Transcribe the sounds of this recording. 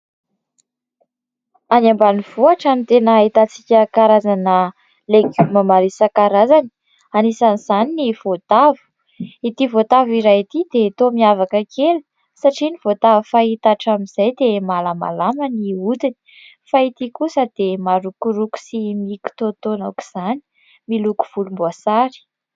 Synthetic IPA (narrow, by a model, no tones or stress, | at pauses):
anambaniv̥oaʈ͡ʂamit̪enəit̪at͡sikʲəkaɾazanə | leɡumamaɾisəkaɾazani̥ | anisaniz̥aniniv̥ot̪avu̥ | it̪ivot̪aviɾajit̪id̪et̪omiavakəkʰelu̥ | saʈ͡ʂinivot̪avufait̪aʈ͡ʂamiz̥ajd̪emalama̰lamaniut̪ini̥ | fait̪ikusəd̪̥emaɾukuɾuku̥simiku̥t̪ot̪onaki̥z̥ani̥ | miluku̥v̥ulumbuasaɾi̥